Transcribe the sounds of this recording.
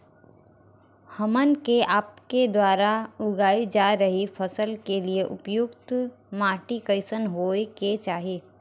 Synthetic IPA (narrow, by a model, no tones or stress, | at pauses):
hɐmənkeʔaːpked̪waːɾaʊɡaːid͡ʒaːɾɐɦifʰɐsəlkelieʔʊpjʊkt̪ | maːʈikəɪsənɦoːeket͡ʃaːɦieː